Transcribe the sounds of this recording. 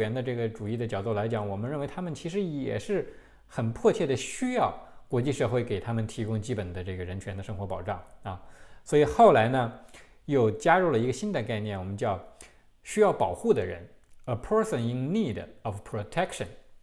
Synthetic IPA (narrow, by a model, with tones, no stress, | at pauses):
ɛ˧˥nd̪ə˧ʈ͡ʂɤ˥˩ɡə˩ʈ͡ʂu˨˩i˥˩d̪ə˩t͡ɕjɑ˨˩ʊt͡swɔ˥˩la˧˥ɪt͡ɕjɑ˧˩˦ŋwɔ˨˩mə˦nɻə˥˩nwe˧˥ɪt̪ʰa˥mə˨nt͡ɕʰi˧˥ʂ̬ɻ̩˧˥jɛ̰˨˩ʂɻ̩˥˩ | xə˨˩npʰwɔ˥˧t͡ɕʰjɛ˥˩d̪ə˩ɕy˥jɑ˥˩ʊkwɔ˧˥t͡ɕi˥˧ʂɤ˥˧xwe˥˩ɪke˨˩ɪt̪ʰa˥mə˨nt̪ʰi˧˥kʊ˥ŋt͡ɕi˥pə˨˩nd̪ə˦ʈ͡ʂɤ˥˩ɡə˩ɻə˧˥nt͡ɕʰɥɛ˧˥nd̪ə˨˧ʂɤ˥ŋxwɔ˧˥pɑ˨˩ʊʈ͡ʂɑ˥˩ŋɐ˧˩swɔ˧˥i˨˩xo˥˩ʊla˧˥ɪnə˧ | jo˥˩ʊt͡ɕja˥ɻu˥˩lə˩i˧˥ɡə˧˩ɕi˥nd̪ə˨˧ka˥˧ɪnjɛ˥˩nwɔ˨˩mə˦nt͡ɕjɑ˥˩ʊ | ɕy˥jɑ˥˩ʊpɑ˨˩ʊxu˥˩d̪ə˩ɻə̰˧˥nə˧pʰə˥sə˨ni˧˥ŋni˥˩dɔ˨˩fpʰɹo˨˧t̪ʰɛ˥kʂə̰˨˩n